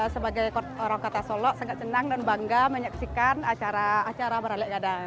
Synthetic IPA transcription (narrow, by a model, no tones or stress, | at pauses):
səbaɡajkɔt̪oɾaŋkɔt̪asɔlɔʔsaŋat̪̚t͡ʃənaŋdanbaŋɡaməɲaksikanat͡ʃaɾaːt͡ʃaɾabəɾalɛʔɡadaŋ